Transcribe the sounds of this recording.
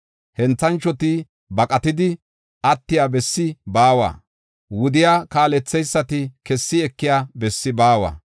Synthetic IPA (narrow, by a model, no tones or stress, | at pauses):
hɛnt͡sːɐnt͡ʃːɔt̪ɪ | bɐkʼɐt̪ɪd̪ɪ | ɐt̪ːɪjaːbɛsːɪbaːwa̰ː | wʊd̪ɪjaːkaːlɛt͡sːɛjsːɐt̪ɪkɛsːɪɛkːɪjaːbɛsːɪbaːwa̰ː